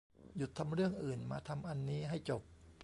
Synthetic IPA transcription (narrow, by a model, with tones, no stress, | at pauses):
ju˨˩t̪ʰːa˧mɾɯ˥˩əŋʔɯː˨˩nmaː˧t̪ʰa˧mʔa˧nːiː˦˥ɦa˥˩jt͡ɕo˨˩p̚